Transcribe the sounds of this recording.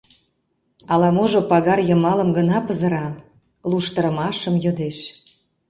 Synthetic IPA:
ɑlɑmoʒopɑɣɑrjəmɑləmɡənɑpəzə̆ɾɑ | luʃt̪əɾə̆mɑʃəmjod̪eʃ

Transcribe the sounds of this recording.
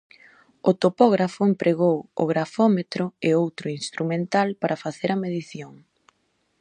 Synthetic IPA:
ot̪opɔɣɾafʊempɾeɣowo̰ɣɾafɔmet̪ɾoɪowt̪ɾʊinst̪ɾumẽnt̪alpaɾʔɐfaθeɾɐmeðiθjoŋ

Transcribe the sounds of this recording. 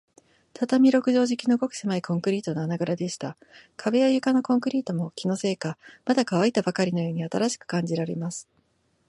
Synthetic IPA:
t̪at̪amʲiɾo̞kɯ̟ʑo̞ːʑikʲino̞ɡo̞kɯ̟semaikõ̞ŋkɯ̟ɾʲiːt̪o̞noanaɡaɾad̪e̞ɕi̥t̪a | kʰabe̞jajɯ̟kano̞kõ̞ŋkɯ̟ɾʲiːt̪o̞mo̞kʲino̞se̞ːkamad̪akaβ̞ait̪abakaɾʲino̞jo̞ːɲ̟iat̪aɾaɕi̥kɯ̥kãɲ̟d͡ʑiɾaɾe̞̰masɨ̥

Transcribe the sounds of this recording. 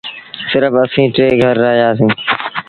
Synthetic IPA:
sɪɾəfəsĩːʈɾeːɡʱəɾːaːɦijaːsĩː

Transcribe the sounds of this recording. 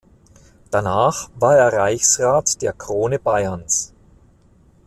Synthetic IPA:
d̥anaːχvaːɐeːɐʁaɪçsʁaːtd̥eːɐkʁ̥oːnəbaɪɐns

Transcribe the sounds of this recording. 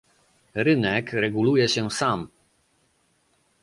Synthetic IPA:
ɾɘnɛkɾɛɡulujɛɕɛsam

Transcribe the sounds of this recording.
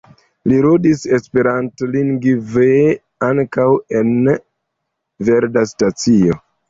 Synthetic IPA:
liɾudise̞spe̞ɾantliŋɡve | aŋkawe̞n | ve̞ɾdastat͡sio̞

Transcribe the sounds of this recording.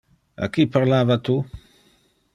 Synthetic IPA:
a̰kːipaɾlaːvat̪u

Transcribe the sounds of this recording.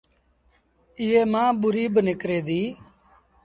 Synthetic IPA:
ɪːeːmãːɓʊɾiːbnɪkɾeːd̪iː

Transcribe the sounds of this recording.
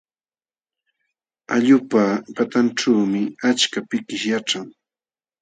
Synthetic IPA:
aʎʊpapat̪anʈ͡ʂaːmɪat͡ʃkapɪkɪʃjaʈ͡ʂaŋ

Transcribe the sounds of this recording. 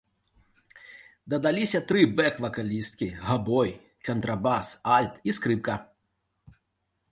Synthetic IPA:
d̪ɐd̪alʲisʲɐt̪ɾɨbɛkvɐkalʲist̪kʲiɣabɔj | kɐnt̪ɾabasalʲt̪iskɾɨp̚kɐ

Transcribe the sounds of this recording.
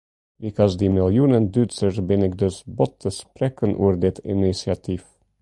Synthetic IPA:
bikʰɔsd̪imɪlˠjunənd̪yt͡səɾbɪnɪk̚d̪øsbɔt̪ːəspɾɛkənʔuəɾd̪ɪt̪ʰḭnisjat̪ʰif

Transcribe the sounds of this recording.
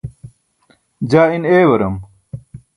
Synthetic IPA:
d͡ʑaːineːwɐɾɐm

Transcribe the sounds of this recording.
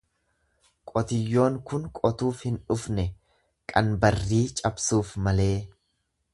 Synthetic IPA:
kʼɔt̪ɪjːo̞ːŋkʊnkʼɔt̪uːfhɪnᶑʊfnɛ | kʼɐnbɐrːiːt͡ʃʼɐbsuːfmɐle̞ː

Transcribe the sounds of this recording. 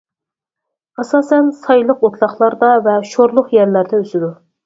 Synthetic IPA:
ɑsɑːsɛnsɑjlˠəqot̪ʰlˠɑχlˠɑɾd̪ɑvɛʃoɾlˠʊqjɛɾlæɾd̪ɛøzɪd̪u

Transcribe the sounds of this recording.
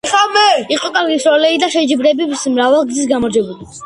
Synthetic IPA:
ɛχamɛiqʼɔkʼaɾɡisɾɔlɛid̪aʃɛd͡ʒibɾɛbismɾavalˠɡzisɡamɔɾd͡ʒɛbuli

